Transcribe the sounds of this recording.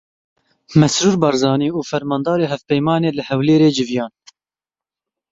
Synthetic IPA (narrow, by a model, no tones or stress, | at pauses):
mɛsɾuːɾbɑːɾzɑːniːuːfɛɾmɑːnd̪ɑːɾeːɦɛvpɛjmɑːneːlɨhɛwleːɾeːd͡ʒɨvjɑːn